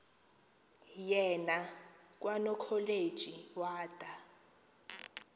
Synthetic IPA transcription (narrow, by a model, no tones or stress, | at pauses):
jɛnak̬ʼwanɔkʰɔled̥ʒ̥ʱʼiwaːtʼa